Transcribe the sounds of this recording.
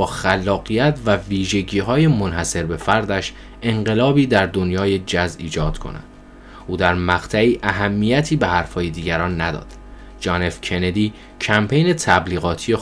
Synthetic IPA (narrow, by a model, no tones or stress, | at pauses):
ɒːxælːɒːɣijæt̪ʰvæviːʒe̞ɟiːɦɒːjemo̞nhæse̞ɾbe̞fæɾd̪æʃ | e̞ɴɢe̞lɒːbiːd̪æɾd̪o̞njɒːje̞d͡ʒæzḭːd͡ʒɒːd̪̥kʰo̞̰næ̰d̪̥ | ʔuːd̪æɾmæɣ̥t̪ʰæiːʔæɦæmːiːjæt̪ʰiːbe̞hæɾfhɒːjed̪iːɟæɾɒːnːæd̪ɒ̰ːd̪̥ | d͡ʒɒːne̞fcʰe̞ne̞d̪iː | cʰæmpʰe̞jne̞t̪ʰæbliːɣɒːt̪ʰije̞